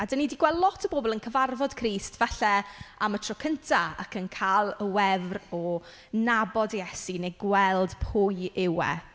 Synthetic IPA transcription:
adəniːdiɡwɛlˠdlˠɔtʰəboːbɔlˠənkʰəvarvɔd̥kʰriːstvɛɬɛamətʰrɔkʰəntʰaakʰənkʰalˠəwɛvrɔ | nabɔdjɛsinejɡwɛlˠd̥pʰʊjɪwɛ̰

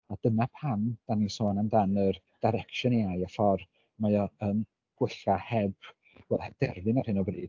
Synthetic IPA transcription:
ad̥ənapʰand̥anisoːnamdanər | d̥ajɾɛkʃɔneajafɔr | majɔən | ɡ̥wɪɬahɛb̥ | wɛlˠɛd̥ɛrvɨnar̥hɪnɔbrḭːd̥

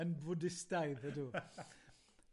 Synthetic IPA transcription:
ənvʊdɪstajðədu

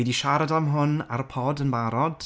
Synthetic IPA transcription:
ɛdiʃaɾadamɦʊna̰ɾəpʰɔːdənbaɾɔd̥

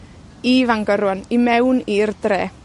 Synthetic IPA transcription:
iːvaŋɡəɾwɔnimɛwniːrdreː

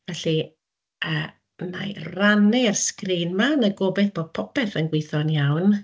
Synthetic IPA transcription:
vɛɬi | əː | na̰jranɛarskriːnmanəɡobɛθb̥od̚pʰɔpʰɛθənɡwɪθɔnjawn

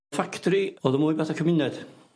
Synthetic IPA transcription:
faktʰɔɾiɔːðəmujbaθakʰəmɪnɛd̥

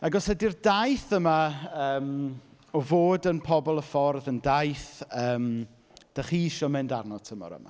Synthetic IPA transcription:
aɡɔsɛdirdajθəmaəːm | ɔvoːdənpʰɔbɔlˠəfɔrðəndajθəːm | d̥aχiʃɔmɨndarnɔtʰəmɔ̰ɾə̰ma̰

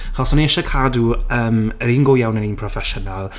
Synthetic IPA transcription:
aχɔsɔniɛʃɔkʰaːduəːməɾiːnɡʊːjawnəniːnpʰrɔfɛʃɔnalˠ

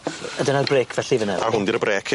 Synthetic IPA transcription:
ədənarbreːkʰvɛɬivənɛarhʊndiɾəbreːkʰ

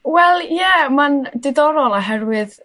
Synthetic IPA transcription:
wɛlˠjɛmandɪdɔɾɔlˠaɦɛrwɨð

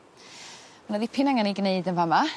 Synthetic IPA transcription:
manəðipʰɪnaŋaniɡneɨdənvama

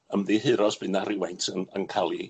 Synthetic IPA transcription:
əmðiɦɨɾɔsb̥ɨnaɾɪwajntʰənə̰nkʰalˠi

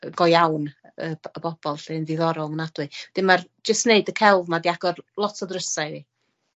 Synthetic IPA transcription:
ɡ̥ɔjawn | əəbɔb̥ɔlˠɬenðɪðɔɾɔlˠmənad̥wɨd̥ɪmar | d͡ʒəstneɨdəkʰɛlˠvmadiaɡ̥ɔrlˠɔtʰɔdrəsaɨi

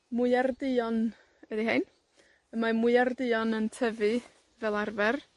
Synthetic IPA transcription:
mʊjardɪɔn | ədiɦajn | əmamʊɨardɪjɔnəntʰəvɨ | vɛlˠarvɛr

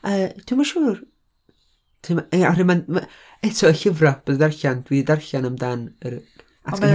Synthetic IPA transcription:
əːd̥ɪwmaʃuːr | tʰimaɔrɪman | ɛtʰɔəɬɪvrab̥əðdarɬandwididarɬanəmdanəɾ | atʰɡə

